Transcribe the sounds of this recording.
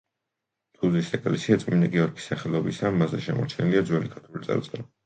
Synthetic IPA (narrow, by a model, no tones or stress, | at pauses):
t̪ʰuzisɛkʼlɛsiat̪sʼminaɡɛɔɾkʰi̥saχɛlˠɔbisamazɛʃɛmɔ̰ɾt͡ʃʰɛniliad̪zwɛlikʰaɾt̪ʰulit̪sʼɛ̰ɾt̪ʼɛ